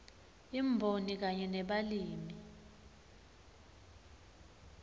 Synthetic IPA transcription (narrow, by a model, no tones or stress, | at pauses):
imbʱonik̬aɲɛnɛɓaliːmi